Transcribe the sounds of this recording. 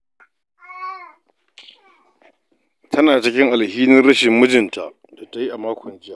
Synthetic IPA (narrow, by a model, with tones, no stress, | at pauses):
tʰɐ˦naː˨t͡ʃɪ˦kʲɪ˦ŋʔa˨lhiː˦nɪ˦rɽɐ˦ʃɪ˨mːʊ˦d͡ʒɪ˨nta̰˨ʔ | da˨ta˦ji˦ʔa˨maː˦kʷɔ˨nd͡ʒɪ˦jaː˦˨ʔ